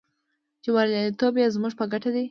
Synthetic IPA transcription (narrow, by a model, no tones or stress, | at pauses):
t͡ʃewaɾɑit̪objazmuʐpəɡaʈad̪i